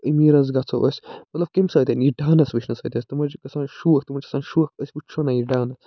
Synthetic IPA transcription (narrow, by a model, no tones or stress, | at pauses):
imiːɾɐzɡɐt͡sʰɐ̰ʔəsʲmɐt̪lɐb̚kemsɐːt̪ʲiniɖaːnɐsʋit͡ʃnɐsɐːt̪ʲɐsʲt̪ɨmɐd͡ʒkɐsaːnʃuːɐk̚t̪umɐt͡ʃkɐ̥sʰaːnʃuɐkəsʲut͡ʃʰonajiɖaːnɐ